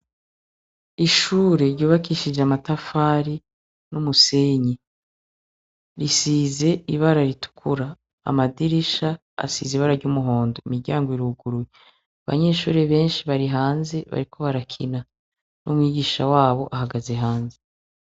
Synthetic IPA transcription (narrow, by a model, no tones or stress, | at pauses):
iʃuːɾe̞ɾɟuːβakiʃid͡ʒeamatafaːɾi | numuseɲi | ɾisiːze̞iβaɾaɾitu̥kʰuɾa̰ː | madiɾiʃa̰ː | sḭziβaɾaɾɟumuɦo̞ːndoimiɾɟaːŋɡoiɾuɡuɾuwe | aβa̰ɲe̞ːʃuːɾeβe̞ːnʃiβaɾiɦaːnze̞βa̰ɾikʰo̞βaɾakʰina | numŋiːɡiːʃawaːβo̞ʔaɦaɡazeɦaːnze